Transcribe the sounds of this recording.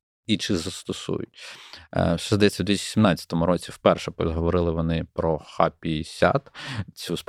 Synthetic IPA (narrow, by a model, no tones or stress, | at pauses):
it͡ʃɪzɐst̪ɔsṵjʊ̰tʲ | ʃɛzd̪ɐjɛt͡sʲːɐwd̪ʋʲist͡ʃːsʲimnɑt͡sʲːɐ̥t̪ɔmʊɾɔt͡sʲiwpɛrʃɛpɦɔʋɔɾɪlˠɪʋɔnɪpɾɔxapʲisʲa̰t̪t͡sʲusp